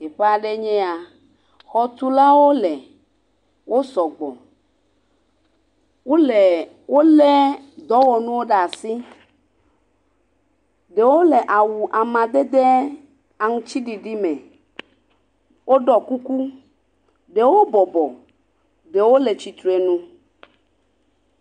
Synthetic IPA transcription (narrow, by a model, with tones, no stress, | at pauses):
e˨ɸe˦a˨ɖe˦ɲɛ̃˦a˨ | xɔ˨t̪u˦la˦wo˦le˨ | wo˦sɔ˨ɡ͡bɔ̰˨ | wo˦le˨ | wo˦le˦d̪ɔ˨˦wɔ˨nũ˦wo˦ɖa˨si˦ | ɖe˨wo˦le˨ʔa˨wu˨ʔa˨mã˨d̪e˦d̪e˦ | a˨ŋũ˦t͡ɕi˦ɖi˨ɖi˦mɛ̃˨ | wo˦ɖɔ˨ku˦ku˦ | ɖe˨wo˦bɔ˨bɔ˨ | ɖe˨wo˦le˨t͡ɕi˨t̪ɾu˨e˨nũ˦